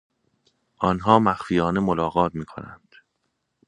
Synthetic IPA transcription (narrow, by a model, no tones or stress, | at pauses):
ʔɒːnɦɒːmæxfijɒːne̞molɒːɣɒːt̪̚miːkʰo̞̰næ̰nd̪̥